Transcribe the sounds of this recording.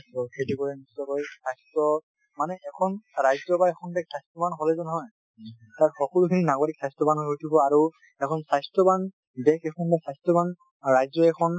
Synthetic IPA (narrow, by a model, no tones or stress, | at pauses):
ɔkʰetikɔɹɛnisɔkɔjsajstɔ | manɛʔɛkʰɔnɹajzɔbaɛkʰɔndɛksajstɔbanɦɔlɛzɔnɔɦɔj | taɹxɔkɔlukʰininaɡoɹik̚sajstɔbanɔɦojtʰubɔaɹu | ɛkʰɔnsajstɔban | bɛkʰɛkʰɔnbɛksajstɔban | ɹajzɔɛkʰɔn